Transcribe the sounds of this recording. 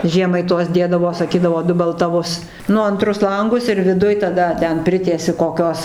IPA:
ˈʒʲiɛmɐɪ ˈtuɔs ˈdʲeːdɐʋoː sɐˈkʲiːdɐʋoː dʊbʲɛlˠtɐˈʋʊs ˈnʊ ɐnˈtrʊs ˈlˠɐŋɡʊs ɪr ʋʲɪˈdʊj tɐˈdɐ ˈtʲɛn ˈpʲrʲɪtʲiɛsʲɪ koːˈkʲoːs

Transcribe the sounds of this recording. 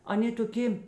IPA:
ɐˈnʲeː toːˈkʲeː

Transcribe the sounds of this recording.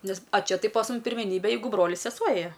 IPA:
ˈnʲɛs ɐ ˈt͡ʃʲɛ ˈtɐɪ pɐs ˈmʊm pʲɪrʲmʲɛˈnʲiːbʲɛ ˈjɛɪɡʊ ˈbroːlʲɪs sʲɛˈsuɔ ˈeːjɛ

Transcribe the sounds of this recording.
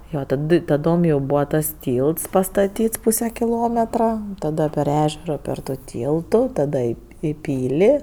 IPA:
ˈjoː tɐˈdɨ tɐˈdoːm jɛʊ ˈbuːʋɐ tɐs ˈtʲiːlˠts pɐstɐˈtʲiːts ˈpuːsʲɛ kʲɪˈlˠoːmʲɛtrɐ ˈtɑːdɐ pʲɛr ˈæːʒʲɛroː pʲɛr tʊ ˈtʲiːlˠtʊ ˈtɑːdɐ ɪ ɪ ˈpʲiːlʲɪ

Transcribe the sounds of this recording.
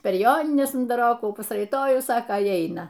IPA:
pʲɛr ˈjoːnʲɪnʲɛs ʊndɐˈroːkuː pɐsrɐɪˈtoːjʊs ˈsɑːkɐ ɪ ˈɐɪnɐ

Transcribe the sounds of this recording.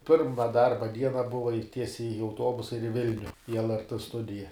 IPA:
ˈpʲɪrmɐ ˈdɐrbɐ ˈdʲiɛnɐ ˈbʊʋɐ ɪ ˈtʲiɛsʲɛɪ ɪ ɐʊˈtoːbʊsɐ ɪr ɪ ˈʋʲɪlʲnʲʊ iː lˠrt ˈstʊdʲɪjɛ

